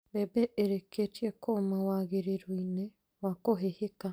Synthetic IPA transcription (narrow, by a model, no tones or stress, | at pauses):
bebɛʔeɾeketjekʰomawaɣeɾeɾwine | wakoɦeheka